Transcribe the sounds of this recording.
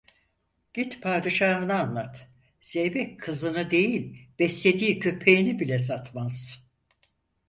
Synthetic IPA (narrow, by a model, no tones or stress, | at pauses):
ɟ̥it̪pʰaːd̪ɯʃaːɦɯnɯanlˠat̪ | z̥ejbɛckʰːɯzɯnɯd̪e̞jilʲb̥ɛslʲe̞d̪iːcʰø̞pʰe̞jinibilʲɛs̬at̪maz̥